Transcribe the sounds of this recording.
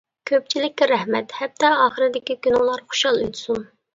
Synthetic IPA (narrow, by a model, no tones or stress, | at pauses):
kʲʰøp̚t͡ʃʰilɪkʲːɛɾɛhmɛt̪hɛp̚t̪ɛɑːχəɾɪd̪ɪkʲikʲynulˠɑɾχʊ̥ʃɑlˠøjt̪ʰsum